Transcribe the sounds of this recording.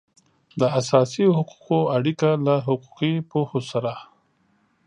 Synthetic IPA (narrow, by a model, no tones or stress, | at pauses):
d̪əasɑsiohʊqu̥qoaɽikalaɦʊqu̥qipohosaɾa